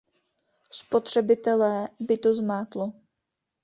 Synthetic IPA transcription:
spo̞t̪r̝̥ɛbɪt̪ɛlɛːbɪt̪ozmaːt̪lo

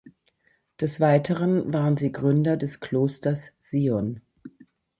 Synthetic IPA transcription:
d̥ɛsv̥aɪtʰəʁənvaːʁənziːɡʁʏndɐdɛskl̥oːstɐsz̥iːɔn

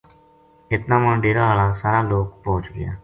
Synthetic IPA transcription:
ɪt̪nãːmə̃ɳɖeːɾãːaːlãːsaːɾãːloːkpoːt͡ʃɡɪja̰ː

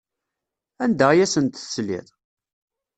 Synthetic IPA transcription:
ænd̪əʁjæsənt̪θslḭðˤ

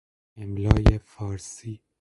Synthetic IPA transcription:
emlɒːjefɒːɾsiː

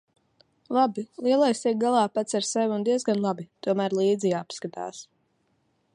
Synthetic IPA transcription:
lˠabilˠiɛlˠajsɛk̚ɡalˠɑːpat̪saɾsɛvʲund̪iɛzɡanlˠabit̪uɔmæːɾlˠiːd̪zijapskat̪a̰ːs

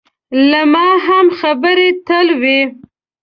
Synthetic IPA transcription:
lamɑɦamxabəɾet̪əlwe

